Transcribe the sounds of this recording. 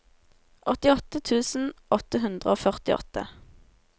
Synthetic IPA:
ʔɔt̪ɪɔt̪ət̪ʰʉːsn̩ɔt̪əɦʉnd̪ʁəoːfœʁt̪ɪɔ̰t̪ə̰

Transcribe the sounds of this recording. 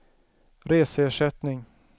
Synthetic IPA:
ɾeːsəeːʂɛt̪nɪŋ

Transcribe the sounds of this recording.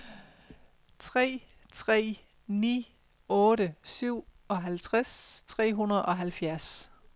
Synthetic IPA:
t͡sʰʁɛ̰ː | t͡sʰʁɛ̰ː | nḭː | ɔ̽ːɾəsyʊ̰ | ɒ̽ɦælt͡sʰʁast͡sʰʁɛ̰ːɦunɐð̩ˠʔɒ̽ɦælfjæɐs

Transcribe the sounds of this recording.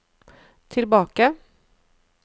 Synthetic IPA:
t̪ʰɪlbɑːkə

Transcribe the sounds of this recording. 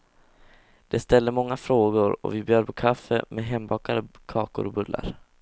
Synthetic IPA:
d̪̥ɛst̪ɛld̪əmɔŋːafɾoːɡʊɾɔ̰vɪbjœːɾpʰɔkʰafːəmʔɛɦɛmbɑːkad̪əkʰɑːkʊ̰ɾɔbɵlːa̰ɾ

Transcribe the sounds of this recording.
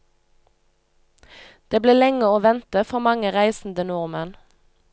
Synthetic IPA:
d̪̥eːbleːlɛŋəoːʋɛnt̪əfɔʁmɑŋəʁæɪsn̩d̪ənʊʁmən

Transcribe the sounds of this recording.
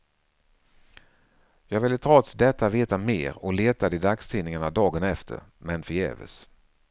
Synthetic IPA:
jɑːɡvɪlːət̪ʰɾɔt̪sd̪ɛt̪ːaveːt̪amḛːɾɔleːt̪ad̪ɪd̪akst̪ʰiːnɪŋaɳad̪ɑːɡənɛft̪ʰə̰ɾmɛnfɪjɛ̰ːvə̰s

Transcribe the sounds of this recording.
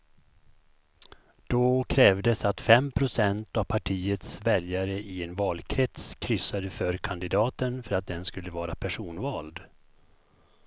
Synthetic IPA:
d̪̥ɔkʰɾɛːvd̪əsat̪fɛmpʰɾʊsɛnt̪avpʰaʈʰiːət̪svɛljaɾəʔɪɛnvɑːlkʰɾɛt̪skʰɾʏsːad̪əfœɾkʰand̪ɪd̪ɑːt̪ənfœɾat̪̚d̪ɛnskɵlːəvɑːɾapʰæʂuːnvɑːld̪

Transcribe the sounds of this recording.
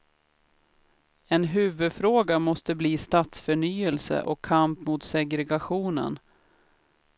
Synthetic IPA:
ɛnɦʉ̟ːvɵd̪fɾoːɡamɔst̪əbliːst̪aːt̪sfœɳyːɛlsə̰ʔɔkʰːampmut̪sɛɡɾɛɡaɧuːnə̰n

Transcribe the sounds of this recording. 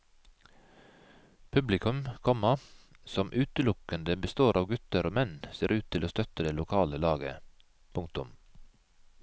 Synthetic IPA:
pʰʉblɪkʰʉmkʰɔmɑsɔmʔʉːt̪əlʊkənd̪əbəst̪oːɾʔɑːʋɡʉt̪əɾoːmɛnseːɾʉːt̪ʰɪloːst̪œt̪əd̪eːlʊkʰɑːləlɑːɡə̰ | pʰʊŋk̚t̪ʊm

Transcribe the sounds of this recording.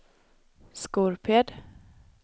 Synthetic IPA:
skuɾpʰeːd̪

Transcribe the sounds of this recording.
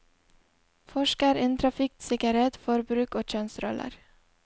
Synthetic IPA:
fɔʃkəɾɪːnt̪ʰɾɑfɪk̚sɪɡɑɾeːt̪fɔɾbɾʉːkoːc͡çœnsɾɔ̰lʔə̰ɾ

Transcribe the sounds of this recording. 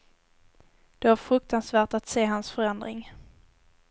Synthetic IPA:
d̪̥ɛæɾfɾɵk̚t̪ansvæːʈat̪seːɦansfœɾɛnd̪ɾɪ̰ŋ

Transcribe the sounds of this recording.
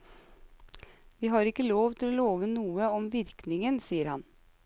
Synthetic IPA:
ʋiːɦɑɾɪkːəloːʋt̪ʰɪlɔloːʋənuːəɔmʋɪɾknɪŋənsiːəɾhɑ̰n

